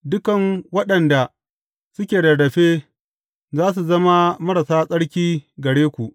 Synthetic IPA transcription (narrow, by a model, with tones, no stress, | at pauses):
dʊ˦kɐ˨ŋwɐ˦ɗɐ˨nda˨ | sʊ˦kʲeː˨dɐ˨ɽɐ˨ɸeː˦ | zaː˦s̬u˨zɐ˦ma˦mɐ˦ɽa˨saː˦sʼɐ˦ɽkʲiː˦ɡɐ˨ɽeː˦kʷu˨ʔ